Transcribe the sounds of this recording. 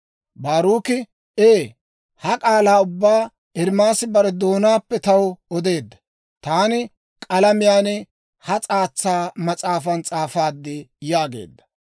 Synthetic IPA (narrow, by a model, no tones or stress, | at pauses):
baːɾuːkɪ | eː | hɐkʼaːlaːʊbːaː | ʔɛɾmaːsɪbɐɾɛd̪o̞ːnaːpːɛt̪ɐwɔd̪e̞ːd̪ːɐ̥ | t̪aːnɪ | kʼɐlɐmɪjaːnɛ | hɐt͡sʼaːt͡sːaːmɐt͡sʼaːfɐnt͡sʼaːfaːd̪ːɪjaːɡe̞̰ːd̪ːɐ̥